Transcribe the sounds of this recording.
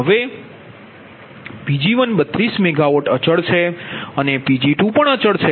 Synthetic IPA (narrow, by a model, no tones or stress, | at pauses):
ɦəʋe | pid͡ʒiʋənɓət̪ɾismeɡaʋoʈət͡ʃəɭt͡ʃʰeənepid͡ʒiʈũpəɳət͡ʃəɭt͡ʃʰe